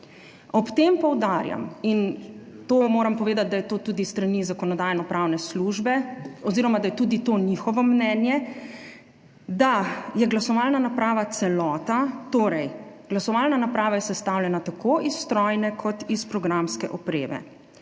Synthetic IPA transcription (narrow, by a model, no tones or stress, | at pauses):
ɔpt̪eːmpɔwd̪aːɾja̰min | t̪oːmoːɾampɔʋeːd̪at̪̚d̪ajɛt̪oːt̪uːd̪isːt̪ɾanizakɔnɔd̪aːjɛnɔpɾawnɛsluʒbɛɔziːɾɔmad̪ajɛt̪uːd̪it̪oːnixɔʋɔmnɛːnjɛ | d̪ajɛɡlasɔʋalnanapɾaːʋat̪sɛlɔːt̪at̪oːɾɛjɡ̥lasɔʋaːlnanapɾaːʋajɛsɛst̪awlʲjɛnat̪akʰoːʔisːt̪ɾɔjnɛkʰɔt̪ispɾɔɡɾamskɛʔɔpɾeːʋɛ̰